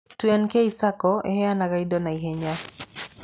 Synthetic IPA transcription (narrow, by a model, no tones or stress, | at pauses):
twɛnkeisakɔḛhɛanaɡaidonaiɦeɲa